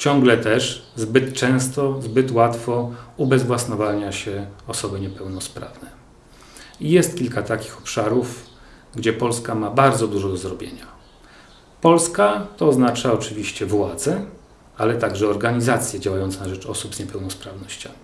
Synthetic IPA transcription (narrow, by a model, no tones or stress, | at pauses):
t͡ɕɔŋɡlɛt̪ɛʂzbɘt̪t͡ʂɛ̃w̃st̪ɔzbɘt̪wat̪fɔubɛzvwasnɔvaɲaɕɛɔsɔbɘɲɛpɛwnɔspɾa̰vnɛ | ijɛst̪kʲilkat̪akʲi̥xɔ̥pʂaɾuf | ɡd͡ʑɛpɔlskamabaɾd̪zɔd̪uʐɔd̪ɔzɾɔbʲjḛɲa | pɔlskat̪ɔːznat͡ʂaɔt͡ʂɘvʲiɕt͡ɕɛvwad̪zɛ | alɛt̪aɡʐɛɔɾɡaɲizat̪sʲjɛd͡ʑawajɔnt̪snaʐɛt͡ʂɔsupzɲɛpɛwnɔspɾavnɔɕt͡ɕa̰mʲi